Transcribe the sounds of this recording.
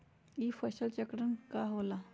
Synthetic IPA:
iːfəɕəlt͡ɕəkɽənkaɦola

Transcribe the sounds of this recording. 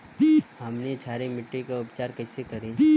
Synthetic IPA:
hɐmnet͡ʃʰaːɾemɪʈɾikaʊpt͡ʃaːɾkɐɪsekɐɾe

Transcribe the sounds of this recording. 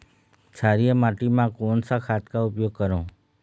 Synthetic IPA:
t͡ʃʰaɾijəmaʈimãkonsakʰat̪kaʊpjoɡ̚kəɾõ

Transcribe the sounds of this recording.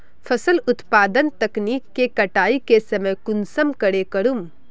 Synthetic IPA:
fʰɐsəlʊt̪paːd̪ənt̪ɐkniːkːekɐʈaːikesɐməjkʊnsəmkɐɽekɐɽum

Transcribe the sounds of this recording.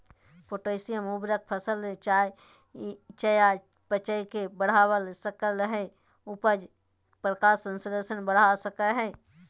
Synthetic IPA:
poʈosijəmubɾək̚pʰəsəlt͡ʃae | t͡ʃəja | pət͡ʃəikebəɽ̤awəlsəkəlɦɛ | upəd͡ʒ | pɾəkaːɾsə̃nsɾesənbəɽ̤asəkəɦɛ̃

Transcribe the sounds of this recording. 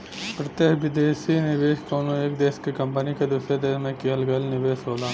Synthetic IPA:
pɾɐt̪eɦʋɪd̪eːsinɪʋeːʃkoːnõeːk̚d̪eːskekɐ̃mpənikad̪ʊsjed̪eːsmẽkiɦəlɡɐlnɪʋeːʃɦoːlaː

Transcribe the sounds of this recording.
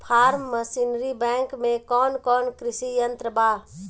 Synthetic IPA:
pʰaːɾmːəsinɾibɛ̃ŋkmẽkɔːnkɔːnkɾisijənt̪ɾəba

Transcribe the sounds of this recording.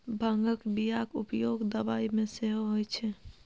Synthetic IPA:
bʱəŋɡəkbijakʊpjoːɡd̪əbaːimẽseɦoɦojt͡ʃʰɛ

